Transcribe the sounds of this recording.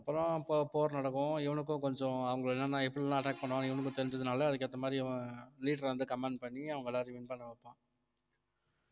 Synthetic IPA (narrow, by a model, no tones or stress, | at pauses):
ɐpːɯɾɔ̃pːpoːɾnɐɽɐkːʊ̃ɪʋɐɳɯk̬ːʊ̃kɔɲd͡ʒɔ̃ɐʋɐŋɡɐɭɛnːɐnãːɛpːɐɽɪlãːɐʈaːk̚pɐɳːʋãːɪʋɐnɯk̬ːʊ̃t̪ɛɾɪɲd͡ʒɐðɯnaːlɐːðɯkːɯɐt̪ːɐmaːd̪ɾiliːʈɾʋɐnd̪ɯkɐmaːɳɖpɐɳːiɐʋɐŋɡɐɛlːaːd̪ɾiʋɪnpɐɳːɐʋɐpːãː